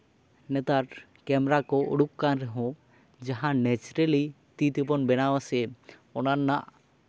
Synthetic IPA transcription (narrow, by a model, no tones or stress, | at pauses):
nɛt̪aɾ | kɛmɾakɔṵɽukkanɾɛɦɔ̃ | d͡ʒaɦãnɛt͡ʃɾɛli | t̪it̪ip̬ɔnbɛnawasɛɔnanːaʔ